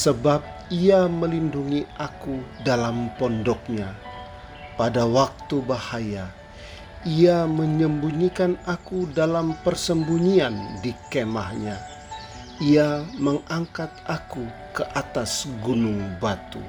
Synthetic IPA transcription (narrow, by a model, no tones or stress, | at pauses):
səbap̚iaməlinduŋiʔakudalampɔndɔk̚ɲa | padawak̚t̪ubahaja | iaməɲəmbuɲikanakudalampərsəmbuɲiandikemahɲa | iaməŋʔaŋkat̪̚ʔakukəʔat̪asɡunʊŋbat̪ṵ